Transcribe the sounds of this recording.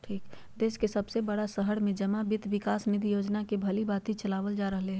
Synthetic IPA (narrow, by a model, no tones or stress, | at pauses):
ʈʰiːk | d̪eːskesɐbsebəɽasəɦəɽmẽd͡ʒɐmabɪt̪ʋɪkaːsnɪd̪ijoːd͡ʒnakebʱɐlibaːt̪it͡ʃɐlaːʋəld͡ʒaːɾəɦleɦɛ̃